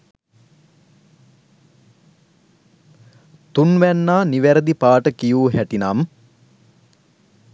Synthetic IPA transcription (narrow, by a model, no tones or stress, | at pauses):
t̪unʋænːaːniʋæɾəd̪ipaːʈəkijuːɦæʈinam